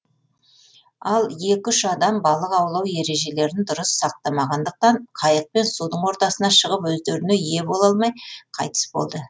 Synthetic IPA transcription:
ɑlˠje̞kʲʏʃɑd̪ɑmbɑlˠəqɑwlˠɑwje̞ɾe̞ʒe̞le̞ɾɪnd̪ʊɾəsːɑq̚t̪ɑmɑʁɑnd̪əq̚t̪ɑɴqʰɑjəq̚pe̞nsud̪əɴwo̞ɾt̪ɑsənɑʃəʁəpwɵzd̪e̞ɾɪne̞je̞bo̞lˠɑlˠmɑjqʰɑ̰jt̪ə̥sbo̞̰lˠd̪ə

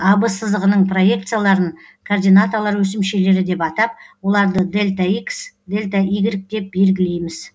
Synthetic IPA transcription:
ɑbəsəzd̪əʁənəɴpro̞je̞k̚t̪sɨjalˠɑɾəɴkʰord̪ʲijnat̪olˠɑɾwɵs̬ɪmʃe̞le̞ɾɪd̪e̞pɑt̪ɑp̚wo̞lˠɑɾd̪əd̪e̞lʲt̪aiks | d̪e̞lʲt̪aʔijɡʲɪɾɪk̚t̪e̞p̚be̞lɡʲɪle̞jmɪz

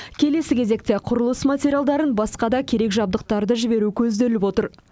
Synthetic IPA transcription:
kʲʰe̞le̞sɪkʲʰe̞ze̞k̚t̪e̞qʰʊɾəlˠəsmat̪ʲeɾʲijalˠd̪ɑɾənbɑsqɑd̪ɑkʲʰe̞ɾe̞kʒɑb̚d̪əq̚t̪ɑɾd̪əʒɪbe̞ɾukʲʰɵzd̪elɪpwo̞t̪əɾ

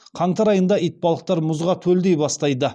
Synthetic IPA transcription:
qʰɑɴt̪ɑɾɑjənd̪ɑijt̪̚bɑlˠəq̚t̪ɑɾmʊzʁɑt̪ʰɵld̪ejbɑst̪ɑjd̪ə

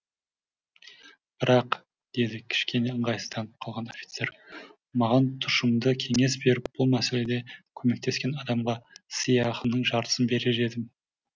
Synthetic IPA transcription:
b̥ɪɾɑq | d̪̥e̞d̪ɪkʲʰɪ̥ʃkʲe̞ne̞əɴʁɑj̪ə̥st̪ʰɑnəp̚qʰɑlˠʁɑno̞fʲi̥t̪se̞ɾ | mɑʁɑnt̪ʰʊ̥ʃəmd̪əkʲʰe̞ŋe̞sbe̞ɾɪp̚b̥ʊlˠmæse̞le̞d̪e̞kʲʰɵme̞k̚t̪e̞skʲe̞nɑd̪ɑmʁɑsijɑχənːəɴʒɑɾt̪ə̥sənbe̞ɾe̞ʒe̞d̪ɪm

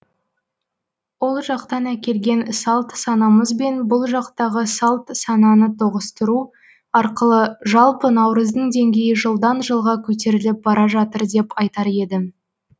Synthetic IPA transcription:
wo̞lˠʒɑqt̪ɑnækʲe̞lɡʲe̞nsɑlˠt̪sɑnɑməzbe̞nbʊlˠʒɑqt̪ɑʁəsɑlˠt̪sɑnɑnət̪ʰoʁəst̪əɾu | ɑɾqəlˠəʒɑlˠpənɑwɾəzd̪əɴd̪e̞ŋɡʲe̞jɪʒəlˠd̪ɑnʒəlˠʁɑkʲʰɵt̪̬e̞ɾɪlɪp̚bɑɾɑʒɑt̪əɾd̪e̞pɑjt̪ɑɾe̞d̪ɪ

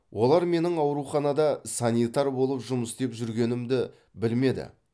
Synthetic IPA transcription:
wʔo̞lˠɑɾme̞nɪŋɑwɾuχɑnɑd̪ɑsɑnijt̪ɑɾbo̞lˠəpʒʊməsd̪e̞pʒʏɾɡʲe̞nɪmd̪ɪ | bɪlme̞d̪ɪ̰

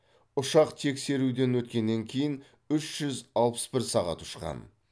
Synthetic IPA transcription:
ʊʃɑqt̪ʰe̞kse̞ɾud̪e̞nwɵt̪̚kʲe̞nːe̞ŋkʲʰe̞jɪn | ʏʃʒ̥ʏzɑlˠpə̥sbɪɾsɑʁɑ̰t̪ʰʊ̥ʃqɑ̰n

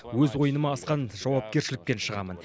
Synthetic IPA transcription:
wɵzwo̞jənəmɑːsqɑnʒ̥ɑwɑp̚kʲe̞ɾʃɪlɪk̚pe̞nʃəʁɑ̰mə̰n

